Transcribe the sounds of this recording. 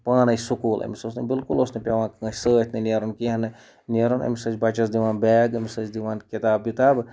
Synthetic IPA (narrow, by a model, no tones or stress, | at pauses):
paːnɐsukulɐ̰misosnɐbilkulosnɨpʲaʋãkːsət̪ʰnɨneɾonkiɦɐnɨ | neɾonɐ̰misət͡ʃbat͡ʃɐsd̪iʋaːnbɛːɡɐmisət͡ʃd̪iʋaːnkit̪aːbːit̪aːb